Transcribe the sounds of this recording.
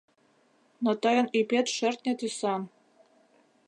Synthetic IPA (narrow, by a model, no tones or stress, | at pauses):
nɤ̆t̪ɤjɤ̆nipʲet̪ʃɘrt̪̚nʲet̪ysɑn